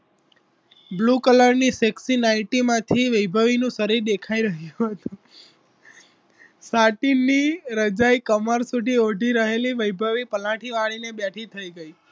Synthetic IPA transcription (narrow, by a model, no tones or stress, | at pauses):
blukələɾniseksinaʈimãt̪ʰiʋəjbʱəʋinũsəɾiɾd̪ekʰaiɾəɦjuɦət̪ũ | saʈiniɾəd͡ʒaikəməɾsud̪ʱioɖʱiɾəɦeliʋəjbʱəʋipəlãʈʰiʋaɭinebjaʈʰit̪ʰəiɡəi